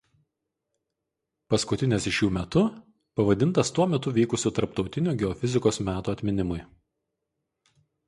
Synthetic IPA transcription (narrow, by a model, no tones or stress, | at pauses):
pɐskʊt̪ʲɪnʲɛsɪʃʲjuːmʲɛt̪ʊ | pɐʋɐd̪ʲɪnt̪ɐst̪uɔmʲɛt̪ʊʋʲiːkʊsʲuːt̪ɐɾp̚t̪ɒʊt̪ʲɪnʲuːɡʲɛɔfʲɪzʲɪkoːsmʲæːt̪uːɐt̪ʲmʲɪnʲɪmʊɪ